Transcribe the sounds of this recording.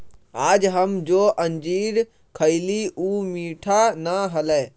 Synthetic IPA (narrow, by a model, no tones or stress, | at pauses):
aːd͡ʒɦəmd͡ʒoːʔənd͡ʒiːɾ | kʰəɪliuːmiːʈʰanaɦəlɛ